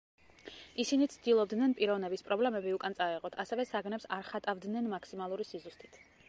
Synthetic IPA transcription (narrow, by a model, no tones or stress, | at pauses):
isinit̪sʰd̪̥ilˠɔb̚d̪nɛnpʼiɾɔvnɛbispʼɾɔblɛmɛbiukʼant̪sʼaɛʁɔt̪ʰasɛvɛsaɡnɛpsaɾχat̪ʼavd̪nɛnmakʰsimalˠuɾisizust̪ʰʼi̥t̪ʰ